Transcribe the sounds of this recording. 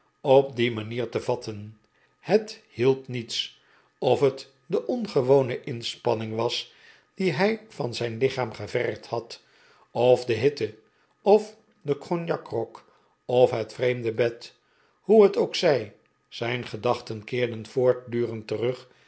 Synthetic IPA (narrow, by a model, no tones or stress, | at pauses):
ɔp̚dimaniːɹtəvɑtʰən | həthilˠpnits | ɔfɦət | dəʔɔnχəʋownəʔɪnspɑnɪŋʋɑs | d̥iɦɛjvɑnzɛjnlɪχaːmχəvɛrkthɑt | ɔfdəɦɪtə | ɔf | dəkrɔnjɑkrɔk | ɔfɦətfrejmdəbɛt | huɦətowksɛj | z̥ɛjnχədɑχtənkɪːɹdənfʊːɹt̚dyːrəntərɵχ